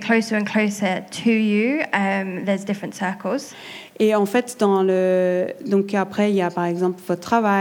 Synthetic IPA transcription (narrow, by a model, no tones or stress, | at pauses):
kʰl̥oʊsəɹə̃nkʰl̥oʊsətʰəjʉʌ̃mðəzdɪfɹə̃ntsɜˑkʰəlˠz̥ | eɑ̃fɛt̪d̪ɑ̃ləd̪ɔ̃kapχɛiljapaʁɛɡzɑ̃plvɔt̪t̪ːχava